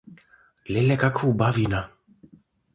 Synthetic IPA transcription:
lɛlɛkakʰvubavina

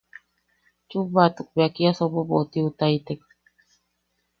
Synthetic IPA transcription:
t͡ʃuβat̪uk̚beakiasobobot̪iut̪ait̪ek

